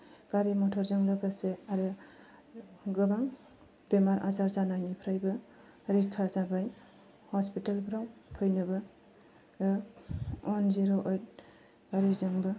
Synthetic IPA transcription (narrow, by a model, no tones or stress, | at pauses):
ɡ̥aɾimɔtʰɔɾzɯŋlɯɡaseaɾɯ | ɡɯbaŋ | b̥emaɾʔa̰zaɾzanajnipʰɾajbɯ | ɾikʰːazabaj | hɔspitalbɾawpʰɯjnɯbɯ | ɔnziɾoʔojt̚ | ɡ̥aɾizɯŋbɯ